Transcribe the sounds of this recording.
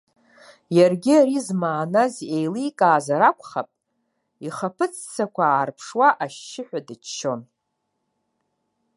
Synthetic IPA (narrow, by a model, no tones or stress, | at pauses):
jarɡʲiaɾizmaːnazejliːkʼaːzaɾakʷʰʼχapʼ | iχapʰɨt͡sʰt͡sʰakʷʰaaːrpʰʂwaʔaʃːɪħʷᶣadɨt͡ʃt͡ʃːo̞n